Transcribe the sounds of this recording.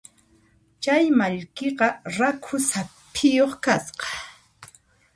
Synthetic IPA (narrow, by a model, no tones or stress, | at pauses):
t͡ʃajmaʎkeqɑɾakʰʊsapʰɪjoχkasqɑ̥